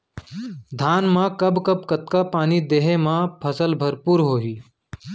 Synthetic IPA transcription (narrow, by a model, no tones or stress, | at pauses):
d̪ʱaːnmãːkɐbkəb̚kət̪kapaːnid̪eɦẽmãpʰəsəlbʱəɾpuːɾɦoːɦiː